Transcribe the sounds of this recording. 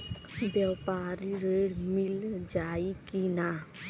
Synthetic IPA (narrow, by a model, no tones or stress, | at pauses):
bjəwpaɾiɾeɽmild͡ʒaikina